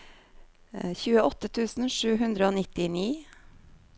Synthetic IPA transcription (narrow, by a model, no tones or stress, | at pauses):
çʉːəɔt̪ət̪ʰʉːsn̩ʂʉːɦʉnd̪ɾəoːnɪt̪ɪniː